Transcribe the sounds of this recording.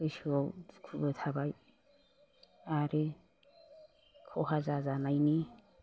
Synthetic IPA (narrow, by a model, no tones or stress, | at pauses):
ɯsɔwkʰubet̪ʰabaj | aɾe | kʰɔɦazazanajni